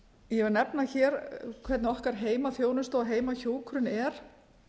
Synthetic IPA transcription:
jɛvɾnɛpnaçɛːɾkʰvɛt̪nɪɔhkaɾ̥ɦeːjmaθjoːwnʏst̪ɔɣɦeːjmaçoːwkʰɾʏnɛɾ̥

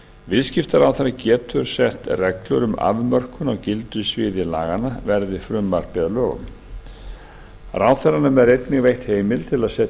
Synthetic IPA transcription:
vɪðscɪft̪aɾawθɛɾacɛːt̪ʏɾ̥sɛht̪rɛklœɾʏma̰vmœr̥kʏnawcɪlt̪ʏsvɪːðɪlaːɣanavɛɾðɪfɾʏmːar̥pɪðalœːɣʏ̰m | raːwθɛɾanʏmɛðɾejt̪nɪɣvejht̪heːjmɪlt̪ʰɪlaðsɛː

